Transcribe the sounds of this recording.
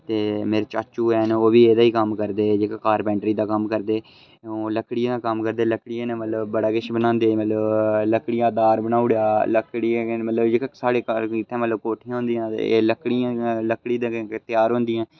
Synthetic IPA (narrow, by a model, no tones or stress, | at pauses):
t̪eːmeːɾet͡ʃaːt͡ʃuːɛːnoːʋiːeːd̪aːiːkəmkəɾd̪eːd͡ʒekːkaːɾbɛ̃ːɳɖɾiːd̪aːkəmkəɾd̪eː | oːləkɽɪãːd̪ãːkəmkəɾd̪eːləkɽɪjãːneːmət̪ləbbəɽaːkɪʃbənãːnd̪eːmət̪ləbləkɽɪjãːd̪aːɾbənaːʊɽjaːləkɽimət̪ləbd͡ʒekːsaːɽeːkɪt̪ʰːẽːmət̪ləbkoːʈʰɪjãːɦʊ̃nd̪ijãːləkːɽiãːləkːɽiːd̪at̪ɪjaːɾɦʊ̃nd̪ijãː